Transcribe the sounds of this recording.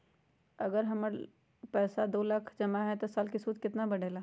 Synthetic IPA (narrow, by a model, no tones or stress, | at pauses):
ɐɡəɾɦɐməɾ | pɛːsad̪oːlaːkʰd͡ʒɐmaɦɛt̪osaːlkɪsuːd̪kɪt̪nabɐɽ̤eːlaː